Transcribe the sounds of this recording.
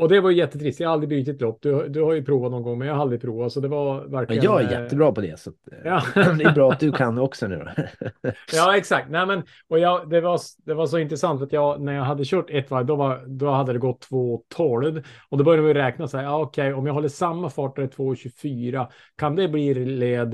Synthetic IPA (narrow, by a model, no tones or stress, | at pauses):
ɔd̪ɛvaɾjʉjɛt̪ːət̪ʰɾɪst̪jɑhaald̪ɾɪbyːt̪ɪt̪lɔpːd̪ɵhad̪ɵhaɾjɵpʰɾuːvat̪nɔnɡɔŋːmɛnjaːhaald̪ɾɪpʰɾuːvasɔd̪ɛvaɾvæɾkljɑːæjɛ̰t̪ːəbɾɑːpʰɔd̪ɛ̰sat̪jɑːd̪ɛbɾɑːat̪̚d̪ɵkʰanːɔksɔnʉ̰ːɾ̰ | jɑːɛksakt̪næɪmɛn | ɔjɑd̪ɛvasd̪ɛvɑʂɔɪnt̪ɾəsant̪at̪jɑːɡnæɾjɑɡɦad̪ːəɕøːʈɛt̪ːʋɑd̪ɔvɑd̪ɔhad̪ːəd̪ɛɡɔt̪ʰːvoːt̪ʰoːləd̪ɔd̪ɛbœɾjamjɾɛːknasɛɪɑɔkʰɛɪɔmjaɦɔlːəsamːafɑːʈɛt̪ʰvoːɕʉfyːɾa | kʰand̪ɛbliːɾleːd̪